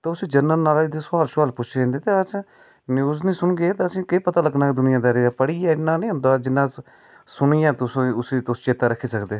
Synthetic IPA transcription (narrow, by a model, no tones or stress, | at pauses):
t̪eːʊsĩːd͡ʒənːəɾnaːlɪd̪eːsʊaːlʃaːlpʊt͡ʃʰeẽnd̪eːt̪eːət͡ʃ | njuːznĩːsʊɳɡeːt̪eəsĩːkəiːpət̪aːləɡnaːeːd̪ʊnɪjãːd̪aːɾeːaːpəɽiːaːɪnːãːnĩːɦʊ̃nd̪aːd͡ʒɪnːãː | sʊɳijãːt̪ʊsũːʊsiːt̪ʊst͡ʃeːt̪aːɾəkʰːiːsəkd̪eː